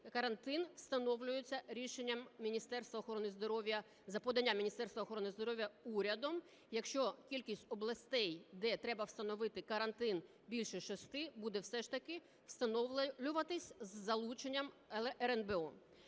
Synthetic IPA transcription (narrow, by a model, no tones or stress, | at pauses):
kɐɾɐnt̪ɪnwst̪ɐnɔwlʲʊjet͡sʲːɐɾʲiʃenʲːɐmʲinʲist̪ɛrst̪ʋɐɔxɔɾɔnɪzd̪ɔɾɔʋʲjɐ | zɐpɔd̪ɐnʲːamʲinʲist̪ɛrst̪ʋɐɔːxɔɾɔnɪzd̪ɔɾɔʋʲjɐuɾʲɐd̪ɔm | jɐkʃt͡ʃɔkʲilʲkʲisʲtʲɔblˠɐsʲt̪ɛjd̪ɛt̪ɾɛbɐwst̪ɐnɔʋɪt̪ɪkɐɾɐnt̪ɪn | bʲilʲʃɛʃɔst̪ɪbud̪ɛwsɛʃt̪ɐkɪ | w̥st̪ɐnɔlʲʊʋɐt̪ɪsʲzːɐlˠut͡ʃenʲːɐm | ɛɾɛnbeɔ